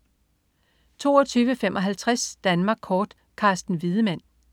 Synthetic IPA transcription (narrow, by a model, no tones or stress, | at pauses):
t͡sʰo̝ːɒt͡sʰyːʋəfem̰ʔɒ̽ɦælt͡sʰʁasd̥ænmɑ̈ːɡ̥kʰɒːd̥ | kʰɑ̈sd̥n̩ʋið̞ˠəmæn̰